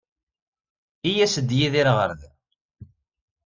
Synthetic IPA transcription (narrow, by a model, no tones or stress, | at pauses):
ijæsəd̪jiðiɾʁə̰ɾð